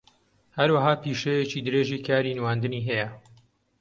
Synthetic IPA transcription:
hɐɾwaɦaːpiːʃejet͡ʃiːd̪ɨɾeːʒiːkʰaːɾiːnwaːnd̪ɨniːɦɛjɐ

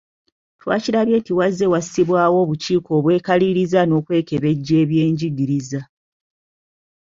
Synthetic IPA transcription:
twa̰ːciɾaβje̞tiwazːe̞wasiβwaːwo̞ːβut͡ʃiːko̞ːβwe̞ːkaliɾizano̞ːkwe̞ːke̞βe̞ɟːe̞ːβje̞ːɲɟiɡiɾiza

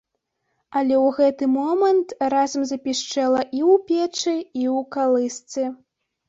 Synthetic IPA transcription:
alʲɛwɣɛt̪ɨmɔmɐnt̪razɐmzɐpʲiʂt͡ʂɛlˠɐʔiwpʲɛt͡ʂɨiwkalˠɨst̪sɨ

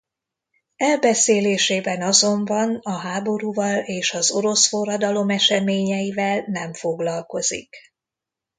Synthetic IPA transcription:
ɛlbɛseːleːʃeːbɛnɒzo̞ɱbɒnɒɦaːbo̞ɾuːvɒleːʃɒzo̞ɾo̞sfo̞rːɒd̪ɒlo̞mɛʃɛmeːɲɛjivɛlnɛɱfo̞ɡlɒlko̞zḭk

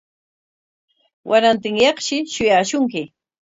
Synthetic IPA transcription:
wʔaɾant̪ɪŋjɑχʃɪʃʊjaːʃʊŋkɪ

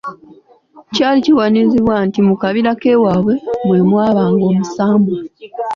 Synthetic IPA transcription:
caːliciwaniziβwaːntimukaβiɾake̞ːwaβwe̞mwe̞ːmwaːβaːŋɡo̞ːmusaːmbo

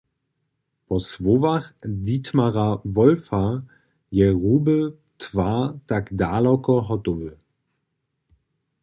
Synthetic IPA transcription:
pɔsvovaχditmaʁavɔlfa | jɛʁuːbə | tv̥atakdaːlɔkɔɦɔtovə

